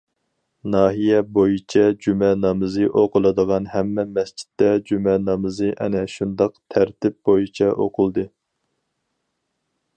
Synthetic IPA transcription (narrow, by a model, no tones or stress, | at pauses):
nɑːɦijɛbojit͡ʃʰɛd͡ʒymɛnɑmɨzɨʔoqʰʊlˠɨd̪əʁɑnhɛmːɛmɛst͡ʃʰi̥t̪ːɛd͡ʒymɛnɑmɨzɨʔɛ̰nɛʃund̪ɑqt̪ʰæɾt̪ʰɪp̚b̥ojit͡ʃʰɛʔoqʰʊlˠd̪ɨ